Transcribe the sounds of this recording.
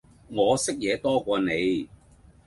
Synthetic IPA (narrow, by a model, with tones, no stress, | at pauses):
ŋɔː˨˧sɪ˥k̚jɛː˨˧t̪ɔː˥kʷɔː˧ne˨˧j